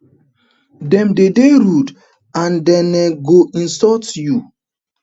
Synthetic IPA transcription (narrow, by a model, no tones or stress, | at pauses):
dɛmdedeɾud | andɛnɛɡoʔĩn̩sɔtju